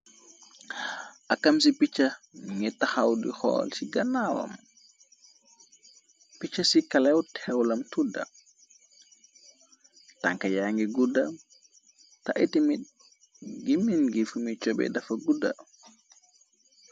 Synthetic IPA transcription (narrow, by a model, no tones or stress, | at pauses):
ʔɐkːɐmsipit͡ʃːɐŋɛtːɐxawdḭxɔ̰ːlsiɡɐnawɐ̰m | pit͡ʃːɐsikɐlɛwtʰɛwlɐmtudɐ̰ | ta̰ŋkɐjaŋɡiɡudɐm | taʔitimi | ɡiminɡifumit͡ʃɔbɛ̰dɐfɐɡudɐ̰